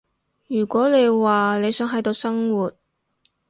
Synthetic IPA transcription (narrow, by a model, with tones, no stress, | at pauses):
jyː˨˩kʷɔː˨˥ne˨˧jwaː˨le˨˧jsœː˨˥ŋɦɐ˨˥jt̪o˧wsɐ˥ŋwuː˨t̚